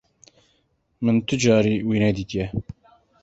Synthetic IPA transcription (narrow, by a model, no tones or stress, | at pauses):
mɨnt̪ʰɨd͡ʒɑːɾiːwiːnɛd̪iːt̪jɛ